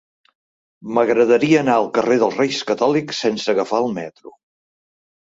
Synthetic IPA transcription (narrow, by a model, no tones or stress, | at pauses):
məɣɾəðəɾiəːnaəlˠkəreðəlˠzrejskət̪ɔliksensəɣəfaəlˠmɛt̪ɾu